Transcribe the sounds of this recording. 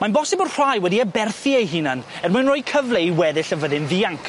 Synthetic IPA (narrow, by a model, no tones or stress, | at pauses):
manbɔsɪbɔrr̥ajwɛdiəbɛrθiejɦiːnən | ɛrmɨnroːjkʰəvleiwɛðɪɬəvəðɪnðiaŋkʰ